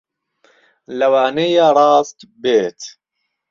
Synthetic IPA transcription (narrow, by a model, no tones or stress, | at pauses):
lɐwaːneːjaːɾˤɑːscbeːt̪